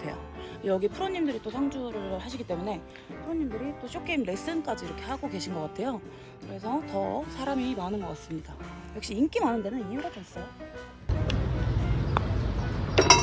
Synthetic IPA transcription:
tʰe̞jo̰jʌɡipʰɯɾoɲːimdɯɾit͈osʰaŋd͡ʑuɾɯhaɕʰiɡit͈e̞mune̞ | pʰɯɾoɲːimdɯɾit͈oɕ͈ʰok͈ʰemɾe̞s͈ɯnk͈ad͡ʑiːɾʌkʰe̞haɡoke̞ɕʰinɡʌk͈atʰe̞jo | kɯɾe̞s̬ʰʌtʌsʰaɾamimanɯnɡʌk͈ats͈ɯmɲida | jʌkɕ͈iːnk͈imɦanɯnde̞nɯnieɾad͡ʑʌs͈ʌjo

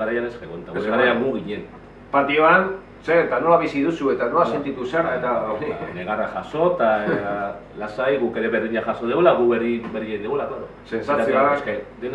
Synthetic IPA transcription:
aɾajaneskeɣont̪aɣeaɾajamuɣiɲe̞n | paɾt̪ioan | seet̪ano̞laβ̞isiðusue̞t̪ano̞lase̞nt̪it̪useaɾaet̪aneɣaraʝaso̞t̪a | lasajɣuke̞ɾe̞βeɾðiɲaxaso̞ðeɣulaɣuβeriberied̪eɣulaklaɾose̞nsat͡sesked̪en

